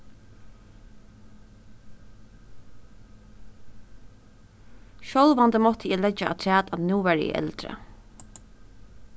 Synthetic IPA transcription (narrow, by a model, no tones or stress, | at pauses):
ʃɔlʋand̪əmɔt̪ʰəɛːlɛd͡ʒaʔa̰t̪ʰɹæːt̪anuːʋæːɹɛ̰ʔɛ̰lt̪ɾə̰